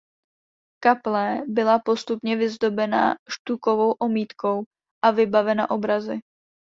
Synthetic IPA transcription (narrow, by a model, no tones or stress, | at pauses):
kaplɛbɪlapo̞st̪upɲɛvɪzd̪o̞bɛna̰ʃt̪uko̞vo̞wʔo̞miːt̪ko̞w | ʔavɪbavɛna̰ʔo̞bɾazɪ